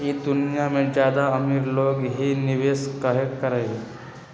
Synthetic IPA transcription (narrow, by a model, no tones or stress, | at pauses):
ed̪ʊnijamẽd͡ʒjaːd̪aɐmiɾloːɡɦinɪʋeːskaɦekəɾeɡe